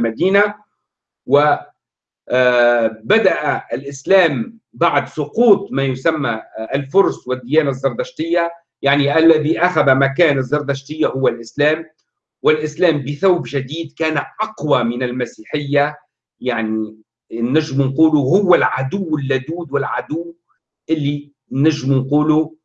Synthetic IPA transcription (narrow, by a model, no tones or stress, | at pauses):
mad̪iːna | wɪ | bad̪aʔaɪlʔɪslæːmbaʕd̪sˤʊquːt̪ˤmaːjʊsamːaʔalfʊɾˤswɪd̪ːɪjaːnazːɑɾˤd̪aʃt̪ɪjːa | jaʕniʔalːaðiʔaxabamak̬aːnazˤːɑɾˤd̪aʃt̪ɪjːahʊwːalʔɪslæːm | wɪlʔɪslæːmbɪθawbʒad̪iːd̪kæːnaʔɑqwamɪnɪlmasiːħɪjːa | jaʕni | nːaʒːɪmnquːluɦʊwːalʕad̪ʊwːɪlːad̪uːd̪wɪlʕad̪ʊː | ʔɪlːi | naʒːɪmnquːlu